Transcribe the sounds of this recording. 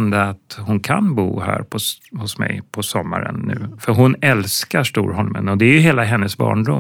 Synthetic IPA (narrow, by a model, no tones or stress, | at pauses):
nd̪əat̪hʊnkʰanbuːɦæ̰ːɾpʰɔ | hʊsmɛjpʰɔsɔmːaɾənːʉ̟ːfœɾɦʊnɛlskaʂʈuːɾɦɔlmənɔd̪ɛæɾjɵɦeːlaɦɛnːəsbɑ̰ːɳɖʊ